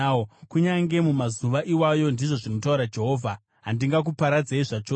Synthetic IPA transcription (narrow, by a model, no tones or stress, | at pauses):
kuɲaŋɡe̞mumazuʋaʔiwajo̞ndiʐo̞ʐino̞tauɾad͡ʒe̞ɦo̞ːvʱa | ɦandiŋɡak̬upaɾad͡zeiʐat͡ʃoː